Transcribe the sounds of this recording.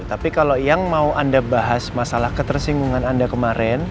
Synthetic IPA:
t̪apikalojaŋmauʔandabaɦasmasalahkət̪ərsiŋɡuŋanandakəmaɾɛn

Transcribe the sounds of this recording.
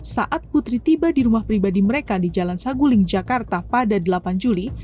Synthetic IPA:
saʔat̪̚put̪ɾit̪ibadiɾumahpɾibadiməɾekadid͡ʒalansaɡulɪŋd͡ʒakart̪apadadəlapand͡ʒuli

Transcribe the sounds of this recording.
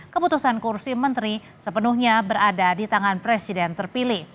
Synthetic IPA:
kəput̪usankursimənt̪ɾi | səpənuhɲabəɾadadit̪aŋanpɾɛsidɛnt̪ərpilɪh

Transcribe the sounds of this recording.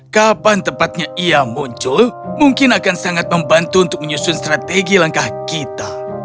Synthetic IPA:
kapant̪əmpat̪̚ɲaʔiamuɲt͡ʃʊlmuŋkɪnakansaŋat̪̚məmbant̪uunt̪ʊk̚məɲusʊnst̪ɾat̪eɡilaŋkahkit̪a

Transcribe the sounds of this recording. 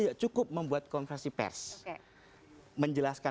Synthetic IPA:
jaʔt͡ʃukʊp̚məmbuat̪̚kɔnfɾɛnsipɛ̰rs | məɲd͡ʒəlaska

